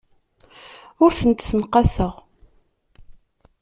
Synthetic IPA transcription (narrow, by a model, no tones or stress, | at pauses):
ʊɾθənt̪sənqɑsəʁ